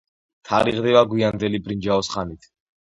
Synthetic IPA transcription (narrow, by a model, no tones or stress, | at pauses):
t̪ʰa̰ɾiʁd̪ɛvaɡwiand̪ɛlibʼɾind͡ʒaɔsχanit̪ʰ